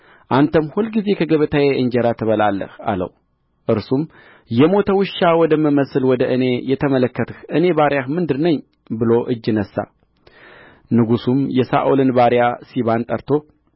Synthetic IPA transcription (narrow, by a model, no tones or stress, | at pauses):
ʔant̪ʰəmhulɡize̞kʰəɡəβət̪ʰajeɨnd͡ʒɛɾat̪ʰɨβəlalːə̰ha̰lə̰wu | ʔɨɾsum | jɛmo̞t̪ʰəwɨʃːawɔd̪əmɨməsɨlwɔd̪əʔɨne̞jɛt̪ʰəmələkːət̪ʰəhɨne̞baɾjahmɨnd̪ɨɾnəɲ | bɨlo̞ʔɨd͡ʒːɨnəsːa̰ | nɨɡusumjɛsa̰ʔulɨnbaɾjasiβant̪ʼəɾt̪ʰo